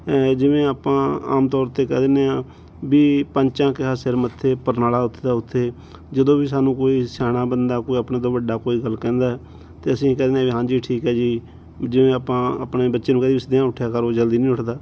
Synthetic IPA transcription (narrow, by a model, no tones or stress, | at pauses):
d͡ʒɪʋẽːaːpãːa̰ːmt̪ɔːɾt̪eːkɛ̰ːd̪eːneːãː | biːpəɲt͡ʃãːkɪɦaːseɾmət̪ʰːeːpəɾnaːlaːʊt̪ʰːd̪aːʊt̪ʰːeː | d͡ʒəd̪õːbiːs̬aːnũːkoːiːsɛːɽ̃ãːbənd̪aːkoːiəpɳẽːd̪oːʋəɖaːkoːiːɡəlːkɛ̃ːnd̪aːɛː | t̪eːəsĩːkɛːd̪eːneãːʋiːɦãːd͡ʒiːʈʰiːkɦɛːd͡ʒiː | d͡ʒɪʋẽːaːpãːəpneːbətːʃeːnũːkɛːd̪iisd̪jãːʊʈʰjaːkəɾoːd͡ʒəld̪iːnĩːʊʈʰd̪aː